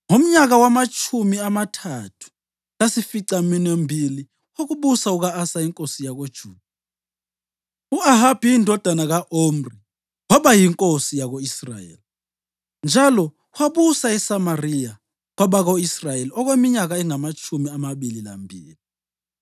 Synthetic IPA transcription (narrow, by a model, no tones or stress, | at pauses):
ŋom̩ɲak̬awamat͡ʃʰumiamatʰatʰu̥ | lasifiǀaminembʱili | ok̬uɓusauk̬aasaiŋkʼosijak̬od̥ʒ̥ʱuːd̥̚ʱa | uaɦab̥ʱijindʱɔd̥ʱanak̬aʔomri | wɔɓajiŋkʼosijak̬oisra̰jḛːli | nd͡ʒʱalɔ | waɓusaɛsamarija | k̬wɔɓak̬oisrajeliɔk̬wemiɲak̬aɛŋamat͡ʃʰumiamaɓilila̰mbʱiːli